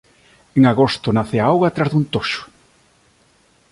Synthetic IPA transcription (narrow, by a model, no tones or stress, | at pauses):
eŋaɣost̪ʊnaθeaawɣat̪ɾazðunt̪oʃʊ̥